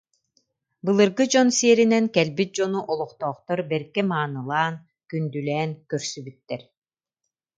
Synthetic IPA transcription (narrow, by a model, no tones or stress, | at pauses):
bɯlˠɯɾɡɯd͡ʑɔnsiɛɾinɛnkɛlbit̪̚d͡ʑɔnuʔɔlˠɔχt̪ɔːχt̪ɔɾbɛɾkɛmaːnɯlˠaːn | kynd̪ylɛːnkœɾsybyt̪ːɛɾ